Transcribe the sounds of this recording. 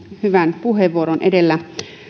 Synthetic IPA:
hyʋænpuheʋːuoɾonʔḛdelːæ

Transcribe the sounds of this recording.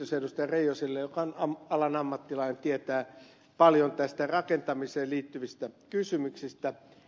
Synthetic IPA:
osedust̪ɑjɑreijosilːejokɑonɑmɑlɑnɑmːɑt̪ːilɑinent̪iet̪æː | pɑljont̪æst̪ærɑkent̪ɑmiseːliːt̪ːyʋist̪ækysymyksist̪æ

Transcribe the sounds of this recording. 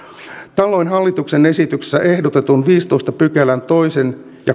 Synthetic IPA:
t̪ɑlo̞jnɦɑlːit̪uksene̞sit̪ykse̥sːæʔe̞hdot̪et̪unʋiːst̪o̞ist̪ɑpykelænt̪o̞jsen | jɑ

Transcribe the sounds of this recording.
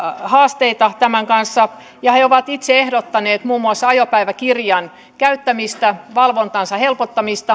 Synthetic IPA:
hɑːst̪eit̪ɑt̪æmæŋkɑnsːɑ | jɑheoʋɑt̪it̪seehdot̪ːɑneːt̪muːmːuɑsːɑjopæiʋækirjɑn | kæyt̪ːæmist̪æʋɑlʋont̪ɑnsɑhelpot̪ːɑmist̪ɑ

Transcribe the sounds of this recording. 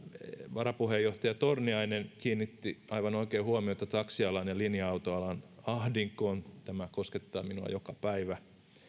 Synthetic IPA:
ʋɑɾɑpuhejoht̪ɑjɑt̪orniɑinenkiːnːit̪ːiɑiʋɑnoikeːhuomioet̪ːɑt̪ɑksiɑlɑnɑlinjɑɑut̪oɑlɑnɑhdiŋkoːnt̪æmækosket̪ːɑːminuɑ̰jokɑpæiʋæ

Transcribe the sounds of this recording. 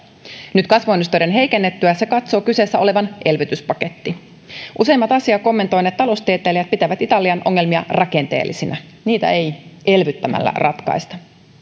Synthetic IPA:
nyt̪kɑsʋoenːust̪ojɾenɦe̞jkenːet̪ːyæse̞kɑt̪so̞ːkyseːsːæo̞le̞ʋɑnʔe̞lʋyt̪yspɑke̞t̪ːi | ʔuse̞imːɑt̪ɑsiɑko̞mːent̪o̞jnet̪t̪ɑlo̞st̪iet̪ˑeːlijæt̪̚pit̪æʋæt̪it̪ɑliɑnʔo̞̰ŋːe̞lmiɑrɑke̞nt̪e̞̰ːlːisinæ | niːt̪æ̰e̞jʔe̞lʋyt̪ːæmæ̰lːæ̰rʔɑt̪kɑ̰jst̪ɑ

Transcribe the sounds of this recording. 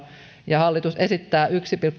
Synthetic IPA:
jɑhɑlːit̪usesit̪ːæːʔyksipilkː

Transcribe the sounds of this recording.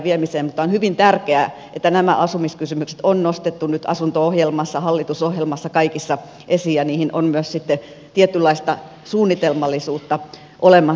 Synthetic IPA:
ʋiemiseːmmut̪ˑːɑonhyʋint̪ærkeæ | ʔet̪ːænæmæ̰ʔɑsumiskysymykse̥t̪onnost̪et̪ːunyt̪ɑ̰sunt̪oohjelmɑsːɑhɑlːit̪usohjelmɑsːɑkɑikisːɑ | ʔesijɑniːhinonmyøssit̪ːe | t̪iet̪ylːɑist̪ɑ | suːnːit̪elmɑlːisuːt̪ːɑ | ʔolemːˑɑ

